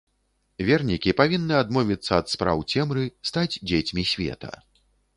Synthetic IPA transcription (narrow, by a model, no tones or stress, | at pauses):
vʲɛrnʲikʲipavʲinːɨad̪mɔvʲit̪sːɐːt̪spɾa̰wt͡sʲɛmɾɨst̪ad͡zʲd͡zʲet͡sʲmʲisʲvʲɛ̰t̪ʰɐ̰